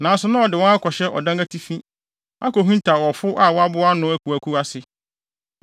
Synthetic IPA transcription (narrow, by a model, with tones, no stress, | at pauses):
nã˨˦sʊ˨nʊ̃˦ɔ˨dɪ˨wɔ̃˦a˦kʰɔ˨ɕɛ˦ʔɔ̰˨dã˦ŋa˦tʰi˦fĩ˦ | a̰˦ko˨ɦĩ˦n˦tʰa˨wɔ˨fʊ˦ʔa˦˨wɔ˦a˦bʊ˦a˦nʊ̃˦æ˦kʰu˨æ˨kʰu˦a˦sɪ˨